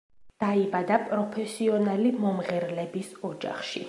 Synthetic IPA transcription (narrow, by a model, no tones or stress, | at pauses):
d̪̥aibad̪apʼɾɔpʰɛsiɔnalimɔmʁɛɾlɛbisɔd͡ʒa̰χʃḭ